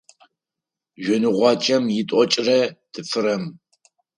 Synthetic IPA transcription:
ʒʷɔnɨʁʷɑːt͡ʃʼɐmjɪtʼɔt͡ʃʼrɐdʰɨfɨɾɐm

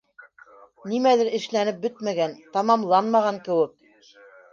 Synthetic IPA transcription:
nimæðɘɾɘ̆ʃlænɘp̚bɵt̪mæɡænt̪ɑmɑmlˠɑnmɑʁɑŋkɘ̆wɘk̚

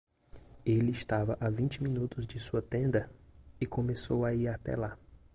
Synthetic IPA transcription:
elɪɪʃt̪avɐʔavĩt͡ʃɪmĩnut̪ʊzd͡ʒɪsuɐt̪ẽnd̪ɐɪkõmesowaiɾat̪ɛ̰la

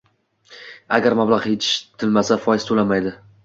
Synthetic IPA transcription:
aɡʲaɾmablaʁjet̪ʰɪ̥ʃt̪ʰɪlmasafɒjɪz̥t̪ʰolamajd̪ɪ

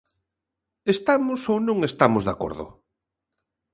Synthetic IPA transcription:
est̪amʊsownõŋest̪amʊzðako̰ɾðʊ̰

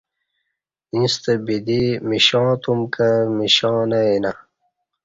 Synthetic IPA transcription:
ĩst̪ebid̪imiɕɑ̃ːt̪umkamiɕɑ̃ːnɐina

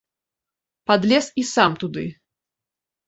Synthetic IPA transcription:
pad̪lʲɛsisamt̪ud̪ɨ̰

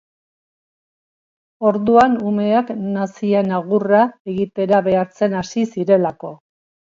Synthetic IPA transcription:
o̞ɾðuanume̞aknasienaɣurae̞ɣit̪e̞ɾaβe̞aɾt͡se̞nasisiɾe̞lako̞

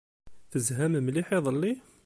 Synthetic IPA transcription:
θəzɦæmmliħiðˤəlːi

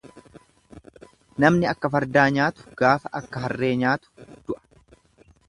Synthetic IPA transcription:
nɐmnɪɐkːɐfɐɾd̪aːɲaːt̪ʊ̥ɡ̥aːfɐʔɐkːɐɦɐrːeːɲaːt̪ʊ̥d̪̥ʊʔɐ̥

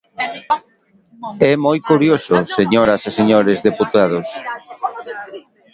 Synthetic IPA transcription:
ɛmojkuɾjososeɲoɾaseseɲoɾezðeput̪að̞os

